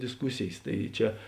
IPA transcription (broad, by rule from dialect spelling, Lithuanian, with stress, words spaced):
dʲɪsˈkʊsʲeːjeːs ˈtɐɪ ˈt͡ʃʲɛ